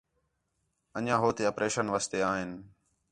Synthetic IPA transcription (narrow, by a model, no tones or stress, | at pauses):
əɲãːɦoːt̪eːəpɾeːʃənʋaːst̪eːaːɦɪn